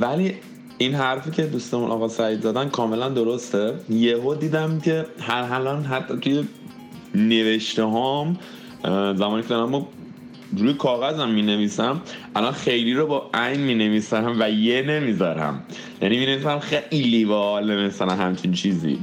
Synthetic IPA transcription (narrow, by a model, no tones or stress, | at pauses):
væli | inɦæɾfiːcʰe̞d̪ust̪emunʔɒ̰ɣɒsæjd̪zæd̪ænkʰɒːme̞lænd̪o̞ɾost̪ejeɦod̪iːd̪æmcʰe̞hæɦælɒnɦæt̪ʰːɒt̪ʰuje̞ | ne̞ve̞ʃt̪eɦɒm | zæmɒːnicʰeɒɾæmo | ɾuːjekʰɒːɣæzæmːiːne̞viːsæmʔælɒnxe̞jliɾobɒʔæjnmiːneviːsæɾæmvæjene̞mizɒɾæ̰m | jæ̰nimine̞visæmxejlivɒlemesænæmɦæmt͡ʃʰint͡ʃʰiːzḭ